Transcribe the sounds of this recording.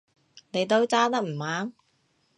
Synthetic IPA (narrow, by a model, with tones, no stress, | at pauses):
ne˨˧jt̪o˥wt͡saː˥t̪̬ɐ˥k̚m̩˨˩maː˨˥n